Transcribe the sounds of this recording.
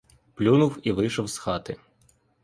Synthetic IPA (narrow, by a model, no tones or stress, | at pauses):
plʲunʊwiʋɪjʃɔwsxɑt̪ɪ